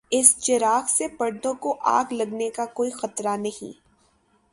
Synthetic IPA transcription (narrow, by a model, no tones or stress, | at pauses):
ɪst͡ʃɪɾaːxsepɐɽd̪õkoʔa̰ːɡlɐɡnekakoːixɐt̪ɾanɐɦḭ̃